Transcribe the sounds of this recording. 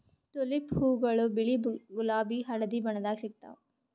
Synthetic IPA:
t̪uliphuːɡɐɭubiɭiɡulaːbiɦɐɽɐd̪ibɐɳɐd̪aːɡisik̚t̪ːa̰

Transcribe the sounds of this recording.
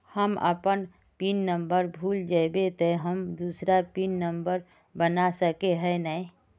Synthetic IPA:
həmə̰pən | pinːəmbəɾbʱuːld͡ʒaɪbet̪əɦəmd̪uːsɾapinːəmbəɾ | bənasəkeɦɛnəi

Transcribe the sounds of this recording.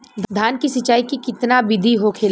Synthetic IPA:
d̪d̪ʱaːnkisɪt͡ʃaːikikɪt̪nabɪd̪ʱiɦokʰeːl

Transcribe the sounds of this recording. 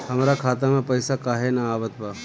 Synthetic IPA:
hɐmɾakʰaːt̪amẽpɐjsakaːɦenaaːʋət̪ba

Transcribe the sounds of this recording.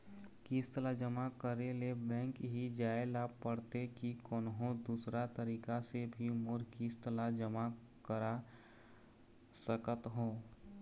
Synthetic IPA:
kiːst̪lad͡ʒəmakəɾelebɛ̃ːŋkɦid͡ʒaːelapəɽt̪ekikɔːnɦõd̪uːsɾat̪əɾiːkasebʱimʊɾkiːst̪əlad͡ʒəma | kəɾa | səkət̪ɦõː

